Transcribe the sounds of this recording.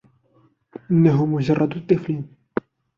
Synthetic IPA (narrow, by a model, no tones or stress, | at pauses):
ʔɪnːaɦʊmʊʒɑrˤːɑd̪t̪ˤːɨfliːn